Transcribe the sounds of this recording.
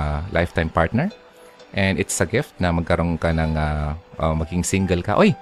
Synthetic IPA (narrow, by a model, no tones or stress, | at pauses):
lʔa̰jft̪ajmpaɹt̪̚nɛɹ | ʔɛnd̪ɪt̪sɐɡɪft̪̚nɐmɐɡ̚kɐɾo̞nkɐnɐŋaʔɐmɐɡɪŋsɪŋɡɛlkɐ̰ʔoj